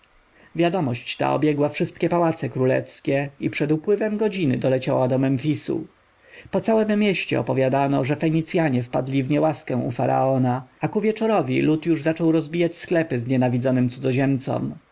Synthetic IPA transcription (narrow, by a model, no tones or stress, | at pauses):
vʲjad̪ɔmɔɕt͡ɕt̪a̰ɔ̰bʲjɛɡwafʂɘst̪̚kʲɛpawat̪sɛkɾulɛ̰fskʲɛipʂɛd̪upwɘvɛmɡɔd͡ʑinɘd̪ɔlɛt͡ɕawad̪ɔmɛmfʲisṵ | pɔt̪sawɛmːʲjeɕt͡ɕɛ̰ɔ̰pɔvʲjad̪anɔʐɛfɛɲit̪sʲjaɲɛfpad̪lʲivɲɛwaskɛ̃w̃ʔufaɾa̰ɔnaakuvʲjɛt͡ʂɔɾɔvʲilut̪juʐzat͡ʂɔwɾɔzbʲijat͡ɕsklɛpɘzɲɛnavʲid̪zɔnɘmt̪sud̪ɔʑɛmt̪sɔ̰m